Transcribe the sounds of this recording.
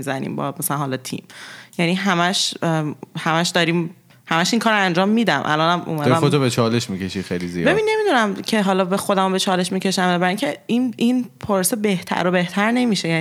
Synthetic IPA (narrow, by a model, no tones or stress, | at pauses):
izænḭːmbɒ̰mæsælænhɒlɒt̪ʰḭmjæniɦæmæʃ | hæmæʃd̪ɒːɾiːm | hæmæʃiŋkʰɒːɾoænd͡ʒɒːmːiːd̪æmʔæ̰lɒnæmʔṵmæd̪æmod͡ʒɔbet͡ʃʰɒleʃmicʰeʃixejlizḭbe̞binːe̞mid̪unæmcʰe̞ɦɒlɒːbexo̞d̪æmobet͡ʃʰɒːle̞ʃmicʰe̞ʃæmæbæɾiŋcʰeinʔinpʰoɾsebe̞ht̪ʰæ̰ɾobe̞ht̪ʰæɾne̞miʃejæ